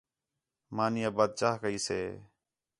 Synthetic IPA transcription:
maːnɪjaːbaːd̪̚t͡ʃaːkəiːsḛː

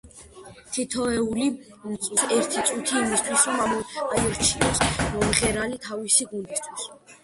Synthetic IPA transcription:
t̪ʰit̪ʰɔɛuli | mt̪sʼisɛɾt̪ʰit̪sʼut̪ʰiːmist̪ʰwisɾɔmaaiɾt͡ʃʰiɔsmɔmʁɛɾalit̪ʰavisiɡund̪ist̪ʰwis

